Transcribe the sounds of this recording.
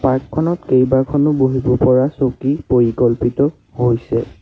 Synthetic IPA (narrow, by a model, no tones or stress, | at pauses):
paɹkʰːɔnɔtkejbakʰɔnʊboɦibɔpɔɹasokipoɹikɔlpitɔ | hojsɛ